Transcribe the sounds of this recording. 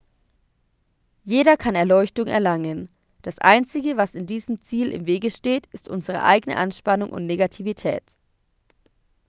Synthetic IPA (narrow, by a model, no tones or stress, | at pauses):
jeːɾɐkʰanɛɐlɔʏçtʊŋɛ̰ɐlaŋən | d̥asʔa̰ɪnt͡sɪɡəvasɪndiːzəmt͡siːlʔɪ̰mveːɡəʃteːtɪstʔʊnzəʁ̞ə̰ʔa̰ɪɡənə̰ʔanʃpanʊŋʔʊ̰ntneɡatʰivitʰɛ̰ːt